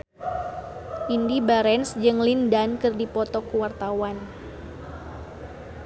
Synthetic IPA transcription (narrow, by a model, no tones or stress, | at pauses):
ʔindibaɾɛnsd͡ʒɨŋlindankɨrdipɔt̪ɔkuwart̪awan